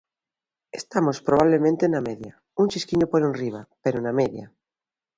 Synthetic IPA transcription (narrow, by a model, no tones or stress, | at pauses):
est̪amospɾoβ̞aβlemẽnt̪enameðja | unt͡ʃiskiɲopoɾunriβ̞apeɾonameðja̰